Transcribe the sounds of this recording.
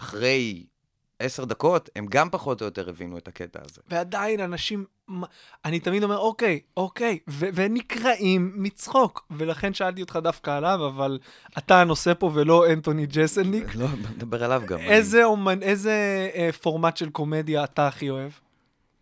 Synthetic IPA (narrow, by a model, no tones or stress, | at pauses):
aχʁe̞j | eseʁd̪ako̞temɡampaχo̞tojoteʁevinuet̪aketa̰ːzḛvead̪ainanaʃim | a | anit̪amid̪o̞me̞ʁo̞ke̞jo̞kejvevenikʁaʔimːit͡sχo̞kve̞laχe̞nʃaalt̪̬iot̪χadafkaːlavaval | at̪ano̞se̞po̞velo̞ent̪onid͡ʒeseniklomd̪abeʁalavɡa̰mezeomanezefo̞ʁmatʃelko̞me̞d̪jaːtaːχio̞e̞v